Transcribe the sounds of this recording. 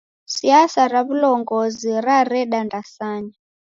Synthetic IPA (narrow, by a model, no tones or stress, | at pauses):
siasaɾaβulɔŋɡɔziɾaɾɛɗandasaːɲa